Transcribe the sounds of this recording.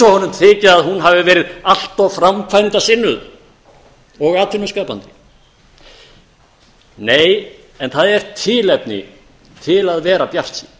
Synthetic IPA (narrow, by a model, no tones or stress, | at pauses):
ɔhɔnːʏmt̪ʰɪːcɪðaðhunɦavɪvɛːɾɪðal̥t̪awfɾamkʰvajnt̪asɪnːʏð | ɔɣaːt̪ʰɪnːʏskaːpant̪ɪ̥ | neːj | ɛnθaðɛɾ̥t̪ʰɪlɛpnɪ̰ | t̪ʰɪlaðvɛːɾapjar̥t̪si